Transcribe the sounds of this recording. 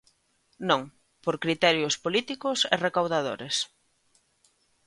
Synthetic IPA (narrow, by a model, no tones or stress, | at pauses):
nõŋ | poɾkɾit̪ɛɾjʊspolit̪ikʊsḛrekawðaðo̰ɾes